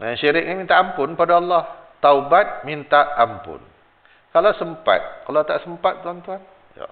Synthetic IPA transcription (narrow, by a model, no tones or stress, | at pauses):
janʃiɾɪk̚ɲimint̪aʔampʊnpadaɑlːɑht̪aubat̪̚mint̪aʔampʊ̰n | kalasəmpa̰t̪̚kalat̪aʔsəmpat̪̚ːuɦant̪uɦan | ja̰